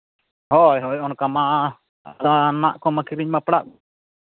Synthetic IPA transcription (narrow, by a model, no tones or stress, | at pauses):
hɔjɦɔjɔnkama | ɾanaʔkɔmakiɾiɲmapɽa̰k